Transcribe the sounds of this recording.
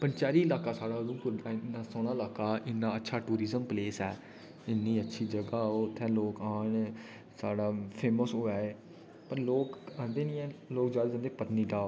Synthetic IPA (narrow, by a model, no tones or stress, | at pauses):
pənt͡ʃaːɾiːəlaːkaːsaːɽaːd̪ũːkʊɾd̪aːnaːsoːñãːɪlaːkaːʔɪnːãːətːʃʰaːʈuːɾiːzəmpleːsɛː | ɪnːĩːətːʃʰiːd͡ʒəɡaːoːt̪ʰɛ̃ːloːkaːɳ | saːɽaːpʰeːməsɦoːaːeː | pəɾloːkãnd̪eːnĩːɛːloːkd͡ʒaːd̪ːd͡ʒə̃ːnd̪eːpət̪niːɖaːo